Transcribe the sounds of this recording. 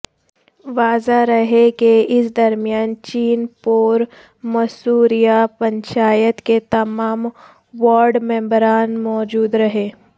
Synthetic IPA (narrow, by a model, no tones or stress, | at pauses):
ʋaːzaɾɐɦekeɪsd̪ɐɾmjaːnt͡ʃiːnpoːɾ | mɐsuːɾijapɐ̃ɲt͡ʃaːjət̪ket̪ɐmaːm | ʋaːɾɖmɛ̃ːmbɾaːnmɔːd͡ʒuːd̪ɾɐɦeː